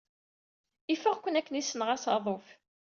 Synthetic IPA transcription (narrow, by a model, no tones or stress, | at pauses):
ifəʁkʷːənækːənisənʁæsɑðˤof